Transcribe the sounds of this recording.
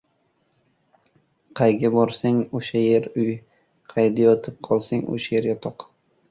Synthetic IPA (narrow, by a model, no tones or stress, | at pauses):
qʰɑjɡʲabɒɾsaŋoʃajeɾʊj | qʰɑjd̪ajɒt̪ʰɪp̚qʰɒlˠsɪŋo̰ʃajeɾɡʲat̪ʰɒq